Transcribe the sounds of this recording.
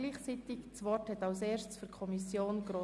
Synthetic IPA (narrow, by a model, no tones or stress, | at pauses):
liːχt͡siːtɪkt͡sʋɔthɛtɑʊseːʃt͡sfyɾkʰɔmisjoːnɡ̥ɾoː